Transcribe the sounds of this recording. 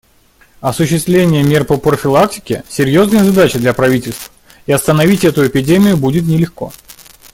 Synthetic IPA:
ɐsʊɕːɪst̪vlʲenʲɪjəmʲe̞rpəpɾəfʲɪlˠak̚tʲɪ̥kʲɪsʲɪɾʲjo̞znəjəzɐd̪at͡ɕɪd̪lʲɐpɾɐvʲitʲɪlʲst̪və | iɐst̪ənɐvʲitʲɛt̪ʊɪpʲɪdʲemʲɪjʊbudʲɪt̪nʲɪlʲɪxko̞̰

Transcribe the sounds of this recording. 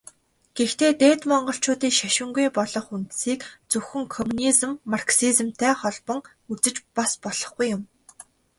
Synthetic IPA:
ɡ̥ext̪ʰeːt̪eːt̪mɔɴɢɞ̆ɬt͡ɕʊːt̪iːŋʃæʃɪ̆ŋɡujpɔɮɞ̆χunt̪siːkt͡sɵxɘ̆ŋkʰɔmunizɘ̆mːarksiz̆mt̪ʰæːχɔɮpɞ̆ŋ | ut͡sɘ̆t͡ɕpaspɔɮɞ̆χɡujːʊm

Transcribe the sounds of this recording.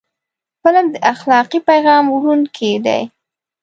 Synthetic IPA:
pəlamd̪əʔaxlɑqipajɣɑmwɾunkʰed̪a̰j

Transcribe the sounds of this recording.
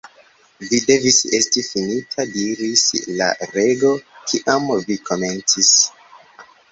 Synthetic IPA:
vide̞vise̞stifinitʰadiɾisla̰ɾe̞ɡo̞kʰiʔamvikʰo̞me̞nt͡sis

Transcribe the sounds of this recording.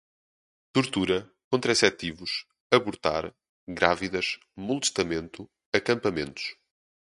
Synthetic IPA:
t̪uɾt̪uɾɐ | kõnt̪ɾɐisɛt̪ivuʃ | ɐβuɾt̪a̰ɾ | ɣɾaviðɐʃ | mulˠt̪ʃt̪ɐmẽnt̪u | ɐkɐ̃mpɐmẽnt̪u̥ʃ

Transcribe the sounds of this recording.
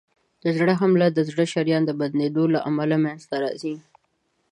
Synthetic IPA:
d̪̥əzɽəɦamlad̪əzɽəʃaɾjɑnd̪əbad̪ned̪olaʔamalamjanzt̪aɾɑ̰zi

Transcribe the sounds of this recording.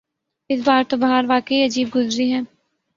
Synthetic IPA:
ɪs̬baːɾt̪obɐɦaɾʋaːkəiɐd͡ʒiːb̚ɡʊzɾiɦɛ̃ː

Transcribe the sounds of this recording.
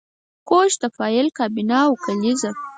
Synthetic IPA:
koʃt̪afɑɪlkɑbinawkaliza

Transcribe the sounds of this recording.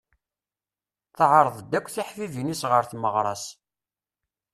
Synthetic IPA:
θəʕəɾˤðˤd̪ːækʷːθiħfivinisʁəɾθməʁɾˤɑs

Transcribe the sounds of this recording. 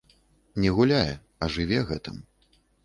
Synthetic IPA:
nʲɛɣulʲajɛ | ɐʐɨvʲɛɣɛt̪ɨm

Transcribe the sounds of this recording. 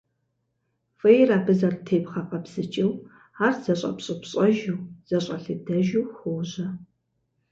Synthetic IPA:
fʼɐjraːbɨzɐrtʰeːpχɐqɐbz̥ɨt͡ʃʼɪw | aːrz̥ɐɕʼɐ̰pɕʼɪpɕʼɐʒɨwz̥ɐɕʼɐɬɨdɐʒɪwxʷoːʑɐ

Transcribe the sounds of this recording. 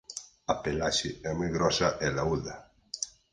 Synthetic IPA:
apelaʃɪɛmujɣɾɔsaʔɛlauða

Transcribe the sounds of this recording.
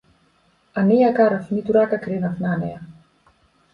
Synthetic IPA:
aniakaɾafnit̪uɾakakɾenafnanḛa

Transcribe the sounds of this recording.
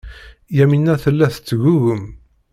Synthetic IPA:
jæminːæθəlːæθət͡sːɣuɣəm

